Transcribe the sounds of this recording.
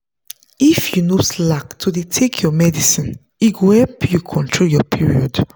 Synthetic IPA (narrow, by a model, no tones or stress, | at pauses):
ifjunoslaktʰudetʰekʰjɔmɛdisĩn | iɡohɛlpjukʰɔ̃ntʰɹoljɔpʰiɹiɔd